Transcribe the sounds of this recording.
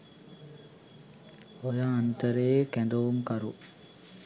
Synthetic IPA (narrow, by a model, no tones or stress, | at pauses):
ojaːnt̪əɾejkænd̪ɐʋumkaɾu